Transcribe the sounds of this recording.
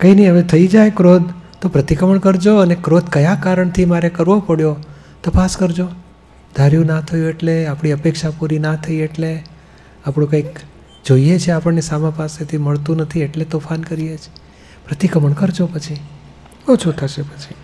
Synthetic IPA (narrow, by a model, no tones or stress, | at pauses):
kəinəiɦəʋet̪ʰəid͡ʒajkɾod̪̚t̪opɾət̪ikəməɳkəɾd͡ʒoənekɾod̪kəjakaɾəɳt̪ʰimaɾekəɾʋopəɽjo | t̪əpaskəɾd͡ʒo | d̪ʱaɾjũnat̪ʰəjũeʈleapɳ̃iəpekʃapuɾinat̪ʰəieʈle | apɳũkãik | d͡ʒoijet͡ʃʰeapəɳnesamãpaset̪ʰiməɭt̪ũnət̪ʰieʈlet̪ofankəɾijet͡ʃʰe̥ | pɾət̪ikəməɳkəɾd͡ʒopət͡ʃʰi | bət͡ʃʰut̪ʰəʃepət͡ʃʰi̥